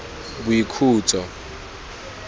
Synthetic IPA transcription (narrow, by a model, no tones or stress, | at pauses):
buikʰuːt͡sʼɔ